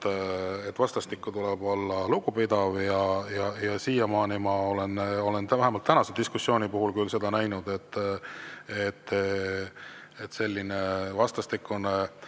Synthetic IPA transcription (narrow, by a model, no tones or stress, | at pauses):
et̪ːvɑst̪ɑst̪ikːut̪uleb̥o̞lːɑlukupid̪ɑvjɑjɑjɑsiːjɑmɑːnimɑo̞le̞no̞le̞nt̪æɦemɑlt̪ːænɑse̞d̪̥iskusːjo̞ːnipuɦulkylse̞d̪ɑnæjnud̪̥e̞t̪ː | et̪ː | et̪ːˑse̞lʲːinevɑst̪ɑst̪ikːˑun